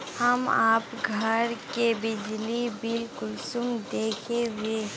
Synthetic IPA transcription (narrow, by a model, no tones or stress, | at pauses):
hɐmaːpɡʱəɾkebɪd͡ʒlibiːlkʊlsʊmd̪eːkʰeɦʊe